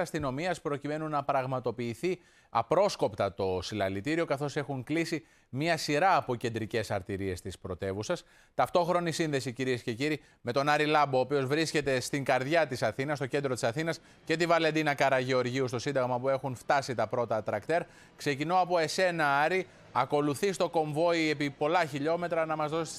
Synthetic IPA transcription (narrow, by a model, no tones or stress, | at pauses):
ɐst̪ino̞miɐspɾo̞cime̞nunːɐpɾɐɣmɐt̪o̞piːθi | ɐpɾo̞sko̞pt̪ɐt̪o̞silɐ̰lit̪iɾio̞kɐθo̞se̞xuŋklisi | miɐsiɾɐːpo̞ce̞nd̪ɾice̞sɐ̰ɾt̪iɾiest̪ispɾo̞t̪e̞vusɐs | t̪ɐft̪o̞xɾo̞nisinðe̞siciɾiesce̞ciɾi | me̞t̪o̞nɐɾilɐbo̞ːpio̞zvɾisce̞t̪e̞st̪iŋɡɐɾðʝɐt̪isɐθinɐs̬t̪o̞ce̞nd̪ɾo̞t̪isɐθinɐs | ce̞t̪ivɐlend̪inɐkɐɾɐʝeo̞ɾʝiust̪o̞sind̪ɐɣmɐpue̞xunft̪ɐsit̪ɐpɾo̞t̪ɐt̪ɾɐkt̪e̞ɾ | kse̞cinoɐpo̞e̞se̞nɐɐɾi | ɐko̞luθist̪o̞ko̞ɱvo̞ie̞pipo̞lɐçiʎo̞me̞t̪ɾɐnɐmɐzðo̞s